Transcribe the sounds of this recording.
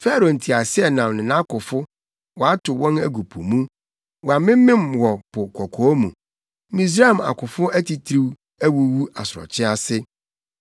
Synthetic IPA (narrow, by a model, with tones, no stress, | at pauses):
fɛ˦ɾo˨n̩˨tʰi˨a˨sɪ˦ɛ˨nã˨m˨nɪ̃˨nã˦kʊ˨fʊ˦ | wɔ˨a˦tʰʊ˨wɔ̃˦næ˨ɡu˨pʰu˨mũ˦ | wɔ˨a˨mɪ̃˦mɪ̃˦mwɔ˨pʰʊ˨kʰɔ˨kʰɔ˨˦ɔ˦mṵ̃˨ | mĩ˦s̬ɾa˦˨m˨a̰˨kʊ˨fʊ˦æ˦ti˨tʰɾi˦w | æ˦wu˦wu˦a̰˨sʊ˨ɔ̰˨t͡ɕʰɪ̃˦a˨sɪ˦